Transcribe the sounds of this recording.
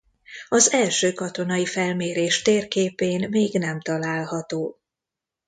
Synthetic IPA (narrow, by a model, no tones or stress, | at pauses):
ɒzɛlʃøːkɒt̪o̞n̪ɒifɛlmeːɾeːʃt̪eːrkeːpeːnmeːɡnɛmt̪ɒlaːlhɒt̪oː